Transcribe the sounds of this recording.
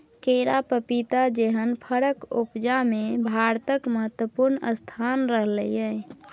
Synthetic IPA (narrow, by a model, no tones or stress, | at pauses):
keɾapəpit̪ad͡ʒeɦənpʰəɾəkṵpd͡ʒamebʱaɾt̪əkməɦət̪wəpuɾnə̰st̪ʰanɾəɦləjəj